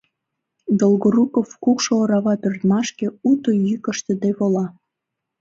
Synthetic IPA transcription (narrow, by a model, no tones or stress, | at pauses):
d̪olɣoɾukofkukʃooɾɑɣɑpørt̪mɑʃkeut̪ojykəʃt̪ə̆d̪eβolɑ